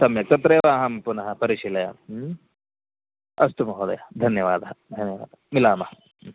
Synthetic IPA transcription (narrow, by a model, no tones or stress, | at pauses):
sɐmjɐk̚t̪ɐt̪ɾeːʋaːɦɐmpunɐɦɐpɐɾiʂilɐjɐ̰ | ɐst̪umɐɦod̪ɐ̰jɐd̪ʱɐnjɐʋa̰ːd̪ɐɦɐd̪ʱɐnjɐʋa̰ːd̪ɐmilaːmɐɦɐ